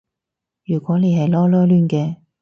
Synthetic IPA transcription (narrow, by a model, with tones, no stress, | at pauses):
jyː˨˩kʷwɔː˨˥le˨˧jɦɐ˨jlɔː˥lɔː˥lyː˥˩nkɛː˧